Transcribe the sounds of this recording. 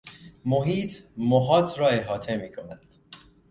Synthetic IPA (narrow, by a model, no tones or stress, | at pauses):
moɦiːt̪ʰmoɦɒːt̪ʰɾɒːeɦɒːt̪ʰe̞miːkʰonæd̪̥